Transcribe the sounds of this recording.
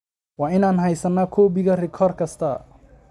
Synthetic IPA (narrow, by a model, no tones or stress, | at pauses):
wɑːɪnaːnɦɐjsɐnɐkʰɔːbɪɣɐrɪkʰɔrkʰɐst̪ʰɐ